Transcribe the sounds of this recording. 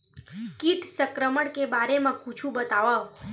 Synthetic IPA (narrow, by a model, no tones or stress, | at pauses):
kiʈsəkɾəməɽkebaɾemãkut͡ʃʰũbət̪aʋa